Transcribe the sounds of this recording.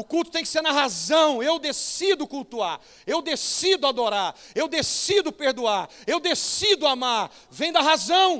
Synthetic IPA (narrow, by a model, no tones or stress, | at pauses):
ʊkulˠt̪ʊt̪ẽj̃kɪseɾnɐɦazɐ̃w̃ewd̪esid̪ʊkult̪uaɾ | ewd̪esid̪ʊad̪oɾaɾewd̪esid̪ʊpeɾd̪uaɾewd̪esid̪ʊamaɾ | vẽj̃d̪ɐɦazɐ̃w̃